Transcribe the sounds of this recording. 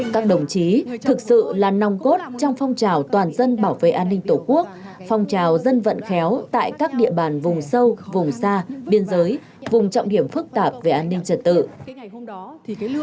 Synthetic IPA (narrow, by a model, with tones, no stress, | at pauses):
kaː˦˥k̚ɗə˨˩wŋ͡mt͡ɕi˨˦t̪ʰɨ˨˩k̚sɨ̰˧˨laː˨˩na˨˩wŋ͡mko˦˥t̚t͡ɕɔ˧wŋ͡mfɔ˧wŋ͡mt͡ɕaː˨˩wt̪waː˨˩nzə˧nɓaː˧˩wvḛ˧˨ʔaː˧nːï˧ŋ̟t̪o˧˩ku˦˥ək̚fɔ˧wŋ͡mt͡ɕaː˨˩wzə˧nvə̰˧˨nxɛ˨˦wt̪a̰ː˧˨jkaː˦˥k̚ɗḭ˧˨əɓaː˨˩nvʊ˨˩ŋ͡msə˧wvʊ˨˩ŋ͡msaː˧ɓi˧ənzəː˨˦j | vʊ˨˩ŋ͡mt͡ɕɔ̰˧˨wŋ͡mɗi˧˩əmfɨ˦˥k̚t̪aː˨˩p̚ve˨˩ʔaː˧nːï˧ŋ̟t͡ɕə˨˧˩t̚t̪ɨ̰˧˨